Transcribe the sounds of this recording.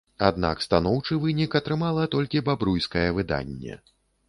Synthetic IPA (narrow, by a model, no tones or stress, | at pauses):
a̰d̪na̰kst̪anɔwt͡ʂɨvɨnʲikɐt̪ɾɨmalˠɐt̪ɔlʲkʲibabɾujskɐjɐvɨd̪a̰nʲːɛ̰